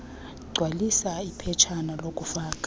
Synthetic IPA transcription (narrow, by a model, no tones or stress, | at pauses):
ɡ͡ǀʱwalisaipʰɛt͡ʃʰanalokʼufaːkʼḁ